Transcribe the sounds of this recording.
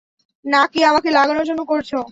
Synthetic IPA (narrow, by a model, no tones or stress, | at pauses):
nakiamakelaɡanoɾd͡ʑonːokoɾt͡ɕʰo